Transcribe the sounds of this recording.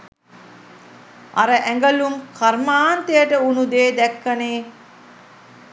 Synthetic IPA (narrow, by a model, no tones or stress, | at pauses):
aɾəʔæŋɡəlumkarmaːnt̪ejəʈəunud̪eːd̪ækːɐneː